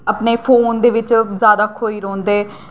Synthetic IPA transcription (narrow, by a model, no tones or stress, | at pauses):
əpneːpʰoːnd̪eːʋɪt͡ʃzjaːd̪aːkʰoːiːɾɔ̃ːnd̪eː